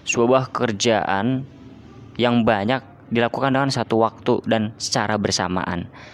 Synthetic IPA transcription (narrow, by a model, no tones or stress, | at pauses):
suabahkəkərd͡ʒaʔa̰n | jaŋbaɲak̚ | dilakukandəŋansat̪uwak̚t̪udansə̥t͡ʃaɾabərsa̰ma̰ʔa̰n